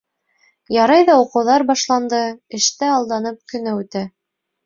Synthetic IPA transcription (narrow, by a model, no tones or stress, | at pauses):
jɑɾɑjðɑuqɤ̆wðɑɾbɑʃlˠɑnd̪ɤɘ̆ʃt̪ɘɑlˠd̪ɑnɤp̚kɵ̆næʉt̪æ